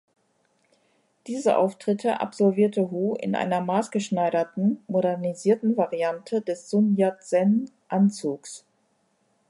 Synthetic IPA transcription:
d̥iːzə̰ʔa̰ʊftʁ̥ɪtʰəʔa̰pz̥ɔlviːɐtəɦuːʔɪ̰nʔa̰ɪnɐmaːsɡ̥əʃnaɪɾɐtn̩modɛʁniziːɐtn̩vaʁiantʰədɛsz̥ʊnjatz̥ɛn | ʔant͡suːks

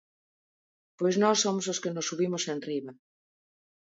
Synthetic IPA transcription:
pojznɔsːomos̬oskenosːuβimosenriβa

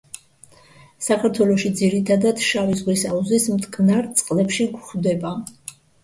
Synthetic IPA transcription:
sakʰaɾt̪ʰwɛlˠɔʃid̪ziɾit̪ʰad̪ad̪ʃavizʁlisauzismt̪ʼkʼnaɾt̪sʼqʼlɛpʃiɡχd̪ɛba

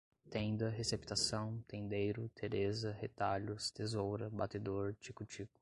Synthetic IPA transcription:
t̪ẽd̪ɐɦesept̪asɐ̃w̃t̪ẽnd̪ejɾʊt̪ʰeɾezɐhet̪aʎʊst̪ezowɾɐbat̪ed̪oɾt͡ʃikut͡ʃikʊ̥

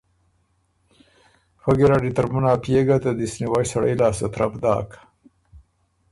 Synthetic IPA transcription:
faɡiɾaɖit̪aɾmunaːpjeɡat̪ad̪isniwajsaɽə̰jlɑːsat̪ɾabd̪ɑ̰ːk

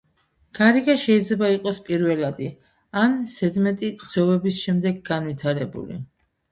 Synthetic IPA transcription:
ɡ̥aɾiɡaʃɛid̪zlɛbaiqʼɔspʼiɾvɛlad̪i | ansɛd̪mɛt̪ʼiqz̥ɛvɛbisʃɛmd̪ɛɡɡanvit̪ʰaɾɛbṵlḭ

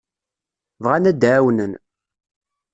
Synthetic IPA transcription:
vʁænæd̪ʕwnən

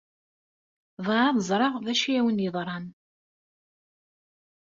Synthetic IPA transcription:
ðˤɑɾɑðəzˤɾˤɑʁðæʃijæwənjəðˤɾˤɑn

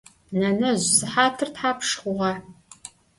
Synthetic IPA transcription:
nɐnɐʑzɨħaːtʰɨrtħaːpʰʂχʷʊʁɑ

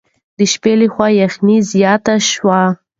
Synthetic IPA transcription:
d̪əʃpeləxwɑjaxnizjɑt̪aʃwa

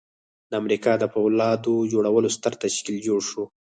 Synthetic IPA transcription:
d̪əamɾikɑd̪əpawlɑd̪od͡ʒoɽawəlost̪əɾt̪aʃkild͡ʒoɽʃo

